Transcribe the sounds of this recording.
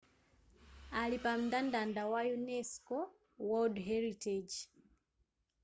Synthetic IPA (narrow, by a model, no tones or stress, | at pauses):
alipam̩dandandawajunɛskɔ | wɔdɦɛɾitɛd͡ʒ